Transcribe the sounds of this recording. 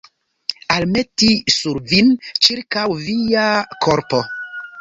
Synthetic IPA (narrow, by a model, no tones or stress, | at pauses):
alme̞tisuɾvint͡ʃiɾkawvijakʰoɾpo̞